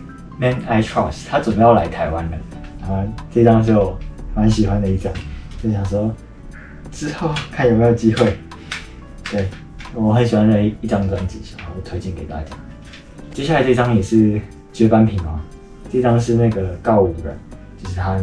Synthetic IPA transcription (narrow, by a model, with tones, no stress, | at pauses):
mɛ˥na˥ɪtʰɹɔ̰˥˨st̪ʰa˥t͡swə˨˩bə˨˦jɑ˥˩la˧˦ɪt̪ʰa˧˥ɪwa˦nd̪ə˨a˥˩˥nʈ͡ʂɤ˥˧i˥ʈ͡ʂɑ˥ŋt͡ɕ̬o˥˩wɔ˨˩ma˨˦nɕi˨˩xwa˦nd̪ə˨i˥˩ʈ͡ʂɑ̰˥ŋt͡ɕo˥˩ɕjɑ˨˩ŋʂwɔ˥ | ʈ͡ʂɻ̩˥xo˥˩ʊkʰa˥˩njo˨˩me˧˥jo˨˩ʊt͡ɕi˦˥xwe˥˩ɪ | t̪we˥˨˩ɪ | wɔ˧˦xə˧˦nɕi˨˩xwa˦nə˥˩i˥˩ʈ͡ʂɑ˥ŋt̪wa˥nt͡ɕḭ˨˩˨t̪ʰwe˥ɪt͡ɕi˥˩nke˨˩ɪt̪a̰˦˥t͡ɕja̰˥ | t͡ɕjɛ˥ɕja˥˩la˧˦ɪʈ͡ʂi˧˥ʈ͡ʂɑ˥ŋjɛ˨˩ʂɻ̩˥˩ | t͡ɕɥɛ˥pa˥˦npʰi˨˥ŋa˨˩ | ʈ͡ʂɤ˥˩i˥ʈ͡ʂɑ˥ŋʂɻ̩˥˧na˥˩ɡə˩kɑ˥˧ʊu˨˩ə̰˦ | t͡ɕjo˥˧ʊʂɻ̩˥˩t̪ʰa˦˥